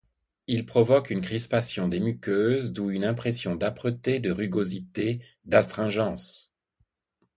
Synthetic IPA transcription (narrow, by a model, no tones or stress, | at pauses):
ilpχɔvɔkynkχispasjɔ̃d̪emykʲøzd̪uynɛ̃pχɛsjɔ̃d̪apχət̪ed̪əʁyɡozit̪e | d̪ast̪χɛ̃ʒɑ̃s